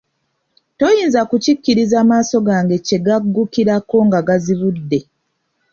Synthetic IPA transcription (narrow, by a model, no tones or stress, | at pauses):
to̞jiːnzakucikːiɾizaːmaːsoɡaːŋɡe̞ce̞ɡaɡːukiɾako̞ŋɡaɡaziβudːe̞